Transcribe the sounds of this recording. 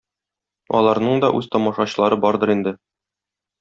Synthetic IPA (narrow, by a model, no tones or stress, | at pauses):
ɒ̰lˠɑɾnɤɴd̪ɒʔʉz̥t̪ɒmɒʃɑɕɤ̆lˠɑɾɤbɒɾd̪ɤɾind̪ɘ